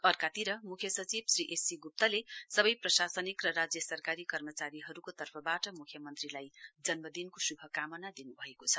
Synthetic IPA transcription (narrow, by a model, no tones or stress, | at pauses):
ʌrkat̪iɾʌmukʰjʌsʌt͡sibsriʔesiɡup̚t̪ʌlesʌbʌjprʌsasʌnikrʌɾad͡zjʌsʌrkaɾikʌrmʌt͡saɾiɦʌɾukot̪ʌrpʰʌbaʈʌmukʰjʌmʌnt̪rilajd͡zʌnmʌd̪inkosubʱʌkamʌnad̪inubʱʌekot͡sʰʌ̥